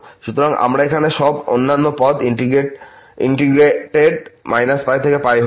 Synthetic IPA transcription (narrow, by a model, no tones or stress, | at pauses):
ʃut̪oɾaŋa̰mɾaekʰaneʃɔbo̰nːanːopɔd̪iiɡe | ḭɳʈiɡɾeʈeɖmajnasp̪ajt̪ʰekepajɦo